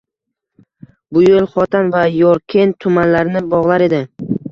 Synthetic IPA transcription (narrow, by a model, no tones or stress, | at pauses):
bʊjolˠχɒt̪ʰanvajɒɾkʲʰent̪ʰʊmanlaɾɪnɪbɒʁlˠaɾe̞d̪ɪ